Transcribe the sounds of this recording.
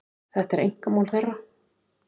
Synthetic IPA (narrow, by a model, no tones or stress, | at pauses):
θɛht̪ɛɾḛjŋ̥kamawlθejra